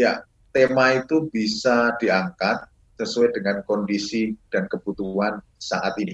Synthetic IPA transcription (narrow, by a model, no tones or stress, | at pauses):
ja | t̪emait̪ubisad̥iaŋkat̪̚ | səsuadəŋankɔndisid̥ankəb̥ut̪uɦan | sa̰ʔat̪ini